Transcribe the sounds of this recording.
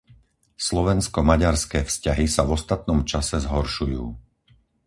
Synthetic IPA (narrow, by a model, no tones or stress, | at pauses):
slɔʋɛnskɔmaɟaɾskɛːfscaɦisavɔst̪at̪nɔmt͡ʃasɛzɦɔɾʃujṵː